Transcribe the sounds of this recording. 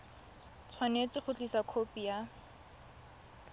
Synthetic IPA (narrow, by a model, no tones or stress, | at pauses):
t͡sʰwanet͡sɪχʊt͡ɬʼisakʰopija